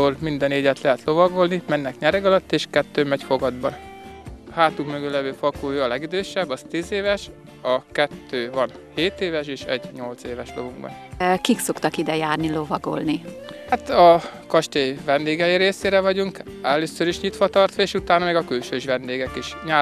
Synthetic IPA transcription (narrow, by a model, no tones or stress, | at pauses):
oːlmind̪ɛneːɟɛt̪lɛɦɛt̪lo̞vɒɡo̞lnimɛnːɛkɲɛɾɛɡɒlɒt̪ːeːʃkɛt̪ːøːmɛcfo̞ɡɒd̪bɒn | haːt̪ukmøɡølɛvøːfɒkoːjɒlɛɡid̪øːʃɛbːɒst̪iːzeːvɛʃ | ɒkɛt̪ːøːvɒn | heːt̪eːvɛʃeːʃɛ̰ɟɲo̞lt̪seːvɛʃlovuŋɡbɒ̰nkikso̞kt̪ɒkid̪ɛjaːrnilo̞vɒɡo̰lnihat̪ɒkɒʃt̪eːvɛnd̪eːɡɛjiɾeːseːɾɛvɒɟuŋk | ɛløːsøɾiʃɲit̪ʋɒt̪ɒrt̪ʋɒeːʃut̪aːnɒmɛɡɒkylʃøːiʒʋɛnd̪eːɡɛkiʃɲaː